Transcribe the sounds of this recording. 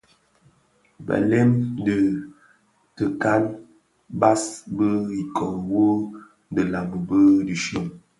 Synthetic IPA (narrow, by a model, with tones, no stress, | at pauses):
ba̰˨lɛ˦mdə˨ | tə˨ka˦n | ba˦sbə˦i˨kɔ˨ŋ˨wo˦ | də˨la˨mə˨bə˦di˨ʃə˦˨m